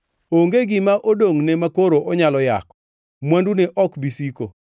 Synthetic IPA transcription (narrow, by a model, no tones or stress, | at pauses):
oŋɡeɡɪmaʔodoŋnemakoɾoʔoɲalɔja̰kɔ̥ | mwanduneʔɔkbisiko